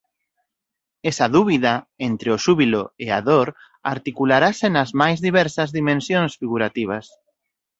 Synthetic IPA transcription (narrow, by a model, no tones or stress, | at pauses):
ɛsɐðuβiðaent̪ɾeoʃuβiloea̰ðoɾ | a̰ɾt̪ikulaɾasɪnɐzmajzðiβɛɾsɐzðimẽnsjõnsfiɣuɾat̪iβ̞ɐs